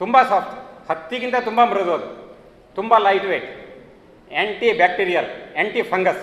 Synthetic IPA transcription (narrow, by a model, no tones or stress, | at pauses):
t̪umbasaːpʈhɐt̪ːikint̪at̪umbamiɾɐd̪oːd̪ṵ | t̪umbalɐjʈʋeːʈ | eɳʈibɛːk̚ʈiɾijɐleːɳʈipʰɐŋɡɐs